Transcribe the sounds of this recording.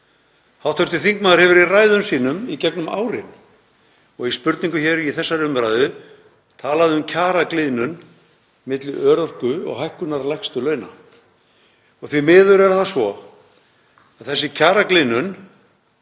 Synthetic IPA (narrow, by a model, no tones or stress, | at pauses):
hawt̪ʰœɾt̪ɪθiŋkmaːðʏɾhɛvɪɾiraːjðʏmsiːnʏmicɛknʏma̰ːwɾɪ̰n | ɔɣispʏɾt̪niŋkʏçɛɾiθɛsːaɾʏmpɾajðʏ | t̪ʰaːlaðɪʏmcʰaːɾaklɪːnʏn | mɪt̪lɪœːɾɔr̥kʏɔ̰ɣɦajhkʏnaɾlajxst̪ʏlœːɥna | ɔɣθvimɪːðʏɾɛɾθasvɔ | aðθɛsːɪcʰaːɾaklɪnːʏn